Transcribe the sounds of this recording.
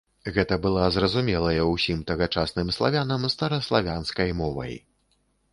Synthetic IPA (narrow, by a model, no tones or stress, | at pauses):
ɣɛt̪ɐbɨlˠazɾɐzumʲɛlˠɐjɐwsʲimt̪ɐɣɐt͡ʂasnɨmslˠavʲanɐmst̪ɐɾɐslˠavʲanskɐjmɔvɐ̰j